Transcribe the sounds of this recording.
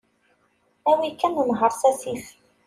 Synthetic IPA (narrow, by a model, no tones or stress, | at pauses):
æwikːænunɦəɾˤsæsiθ